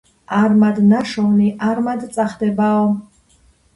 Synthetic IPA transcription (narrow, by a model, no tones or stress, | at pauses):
armad̪naʃɔwniʔarmad̪t͡sʼaχd̪ɛbaw